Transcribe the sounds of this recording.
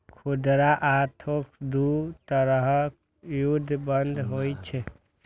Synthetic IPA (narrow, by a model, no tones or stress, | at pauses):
kʰud̪ɾaʔat̪ʰokd̪ut̪əɾəɦək | jud̪ʱːbənd̪ʱɦojt͡ʃʰɛ